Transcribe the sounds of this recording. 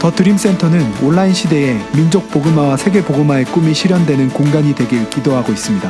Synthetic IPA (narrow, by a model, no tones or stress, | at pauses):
tʌt͈ɯɾims͈e̞ntʰʌnɯnoɭːainɕʰide̞emind͡ʑok̚p͈oɡɯmawsʰe̞ɡe̞poɡɯmaek͈umiɕʰiɾjʌndwe̞nɯnkoŋɡaɲidwe̞ɡekidoɦaɡois͈ɯmɲida